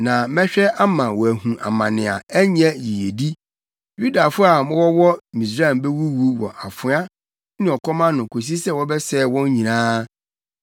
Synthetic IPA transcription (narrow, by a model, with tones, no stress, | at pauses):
nã˨mɛ̃˦ɕᶣɛ˦ʔa˦mã˨wɔ˨æ˨ɦũ˨ʔa̰˨mã˨nɪ̃˨a̰˨æ˦ɲɛ̃˦ji˨e˨di˦ | ju˦da˨fʊ˦a˨mʊ̃˦wɔ˦wɔ˦mĩ˨s̬ɾa˦ɛ˨mbɛ˦wu˦wu˦wɔ̰˨ʔa˨fʊ˨˦a˦ | nɪ̃˨ɔ˨kʰɔ˦mã˦nʊ̃˨kʰo˨s̬i˦sɛ˦wɔ˦bɛ˦sɛː˦˨wɔ̃˦n˦ɲĩ˨nãː˦